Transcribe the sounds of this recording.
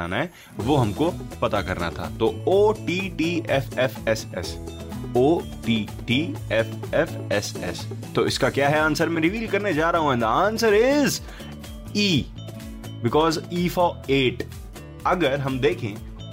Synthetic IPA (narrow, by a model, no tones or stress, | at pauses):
a̰ːnaɦɛ | ʋoɦɐmkopɐt̪akɐ̰ɾna̰t̪ʰa̰ːt̪ooːʈiːʈiːʔɛfɛfɛsɛ̰s | oː | ʈiː | ʈiːɛfɛfɛsɛ̰st̪oːɪskakjaːɦɛãːnsəɾmẽɾɪʋiːlkɐɾned͡ʒaːɾɐɦõɦɛ̃d̪ɐãːnsəɾɪz | iː | bɪkɔːziːfoːeːʈ | ɐɡəɾɦɐmd̪eːkʰẽː